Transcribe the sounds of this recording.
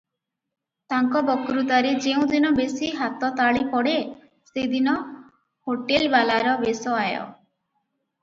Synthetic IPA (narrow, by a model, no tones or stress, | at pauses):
t̪aŋkɔbɔkɾut̪aɾed͡ʒeũd̪inɔbesiɦat̪ɔt̪aɭipɔɽe | sed̪inɔ | hoʈelbalaɾɔbesɔajɔ̰